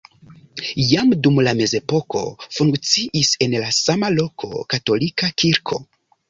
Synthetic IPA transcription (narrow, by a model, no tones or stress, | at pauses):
jamdumlame̞ze̞po̞ko̞̰fuŋkt͡siʔise̞nlasamalo̞kʰo̞̰kato̞likakiɾkʰo̞̰